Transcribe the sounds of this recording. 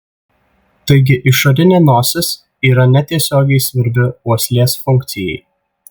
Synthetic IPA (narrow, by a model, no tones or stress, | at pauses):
t̪ɐɪɡʲɪʔɪʃɐɾʲɪnʲeːnoːsʲɪs | iːɾɐnʲɛt̪ʲiɛsʲoːɡʲɛɪsʲʋʲɪɾʲd̪ʲɪuɔsʲlʲeːsfʊŋʲkt̪sʲɪjɛ̰ɪ